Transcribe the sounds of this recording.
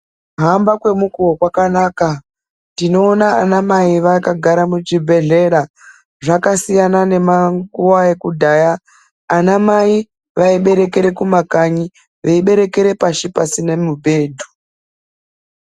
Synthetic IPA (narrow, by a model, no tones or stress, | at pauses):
ɦambakwe̞mukuwokwakanaːka | tino̞ːnaːnamaiʋakaɡʱaɾamut͡ʃibʱe̞ɮe̞ɾa | ʐakasijanane̞maŋkuwae̞kudʱajaː | namai | ʋaiɓe̞ɾe̞ke̞ɾe̞kumakaɲi | ʋeiɓe̞ɾe̞ke̞ɾe̞paʃipasinemubʱe̞ːdʱu̥